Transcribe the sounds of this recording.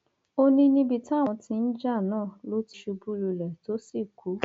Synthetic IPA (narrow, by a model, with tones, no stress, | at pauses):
o˦nĩ˧nĩ˧bi˧ta˦˨w̃ɔ̃˧tĩ˧n̩˦d͡ʒa˦˨nãː˦˨lo˦ti˧ʃu˧bu˦lu˧lɛ˨to˨˦si˦˨kʰu˨˦